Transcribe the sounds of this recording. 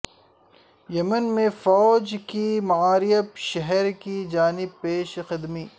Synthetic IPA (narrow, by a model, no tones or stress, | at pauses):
jɐmənmẽfɔːd͡ʒkimɐaːɾijəbʃɛɦɛɾkid͡ʒaːnɪb̚peːʃxɪd̪miː